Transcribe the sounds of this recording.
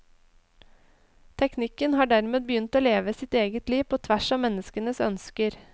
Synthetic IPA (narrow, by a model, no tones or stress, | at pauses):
t̪ʰɛknɪkənhɑːɖæɾmeːd̪̚bəjʏnt̪oːleːʋəsɪt̪eːɡət̪liːʋpʰoːt̪ʰʋæʃɔːmɛnəskənəsœ̰nskəɾ